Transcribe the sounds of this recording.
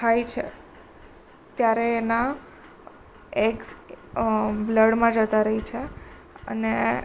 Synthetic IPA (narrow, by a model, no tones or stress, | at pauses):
t̪ʰajt͡ʃʰḛ | t̪jaɾeːna | eɡs | bləɽmãd͡ʒət̪aɾəɦit͡ʃʰe | ə̰ne